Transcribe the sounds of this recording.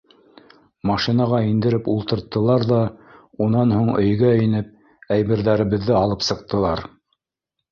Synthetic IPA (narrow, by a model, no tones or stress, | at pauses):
mɑʃinɑʁɑind̪ɘ̆ɾɘpulˠt̪ɤ̆ɾt̪ːɤ̆lˠɑɾðɑ | unɑnhuɴɵ̰̆jɡæɵ̆j̆nɘp̚ | æjβɘ̆ɾðæɾɘ̆βɘ̆ðːɘɑlˠɤpsɤ̆q̚t̪ɤ̆lˠɑɾ